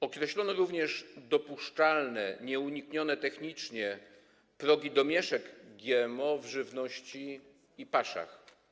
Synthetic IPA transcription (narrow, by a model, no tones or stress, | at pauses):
ɔkɾɛɕlɔnɔɾuvɲɛʐd̪ɔpuʂt͡ʂalnɛɲɛuɲikɲɔnɛt̪ɛxɲit͡ʂɲɛ | pɾɔɡʲid̪ɔmʲjɛʂɛɡɡʲjɛmɔvʐɘvnɔɕt͡ɕiː | paʂa̰x